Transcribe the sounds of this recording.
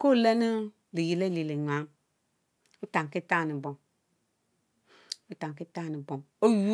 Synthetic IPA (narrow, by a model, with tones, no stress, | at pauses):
ko˦˨le˦ni˦ | di˨ji˨le˦li˨li˨ɲʷ˨a˨˦m | u˦ta˨ŋ˨ki˦ta˦˨nĩ˨bɔ˨ŋ | o˦ta˨ŋ˨ki˦ta˦˨ni˨bo˨ŋ | o˦ju˦